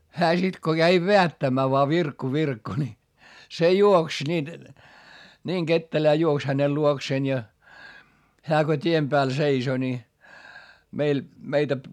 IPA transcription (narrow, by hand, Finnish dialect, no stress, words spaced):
hæː sit ko kæi ʋeætːæmːæː ʋoɑ ʋirkːu ʋirkːu ni se juoks niːn niːŋ ɡ̊etːelæː juoks hænel luokseːn jɑ hæː ko tʲiem pæːl seiso ni meil meitæ